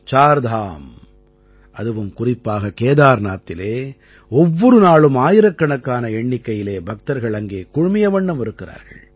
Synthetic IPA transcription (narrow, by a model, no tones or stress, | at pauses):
t͡ʃaːɾd̪ʱaːm | ʔɐðɯʋɯmkʊrɪpːaːɣɐkeːðaːɾnaːt̪ːɪleː | ɔʋːɔɾɯnaːɭɯmaːjɪɾɐkːɐɳɐkːaːnɐɛɳːɪkːɐjɪleːbʱɐk̚t̪ɐɾɣɐɭɐŋɡeːkʊɻʊmɪjɐʋɐɳːɐmɪɾɯkːɪra̰ːɾɣɐ̰ɭ